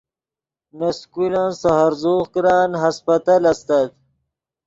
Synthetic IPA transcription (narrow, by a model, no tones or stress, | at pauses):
naskulãnsahaɾzoːkɾɑːnɦaspɐt̪alast̪at̪̚